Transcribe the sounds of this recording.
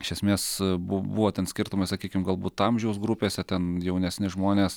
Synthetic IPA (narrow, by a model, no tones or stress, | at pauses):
ɪʃʲɛsʲmʲeːsbʊbuʋoːt̪ʲɛnsʲkʲɪɾt̪ʊmɐɪsɐkʲiːkʲɪmɡɐlˠbuːt̪ɐmʲʒʲɛʊsɡɾʊpʲeːsʲɛt̪ʲɛnjɛʊnʲɛsʲnʲɪʒmoːnʲeːs